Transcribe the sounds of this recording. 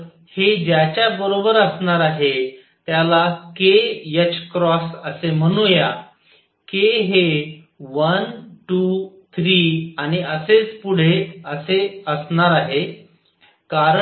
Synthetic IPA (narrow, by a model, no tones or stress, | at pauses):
hed͡ʑjat͡ɕjabəɾobəɾəsɳaɾaɦe | t̪jalakejət͡ɕkɾɔsəsem̤əɽ̃ũja | keɦe | ʋənʈu | t̪ʰɾiaɽ̃iəset͡spuɽ̤eəseəsɳaɾaɦe | kaɾə